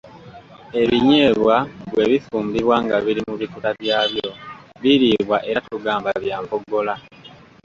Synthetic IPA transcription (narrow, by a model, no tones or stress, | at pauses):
e̞βiɲeːβwaβwe̞βifuːmbiβwaːŋɡaβiɾimuβikutaβjaːβjo̞βiɾiβwaʔe̞atuɡaːmbaβjaːmpoɡo̞la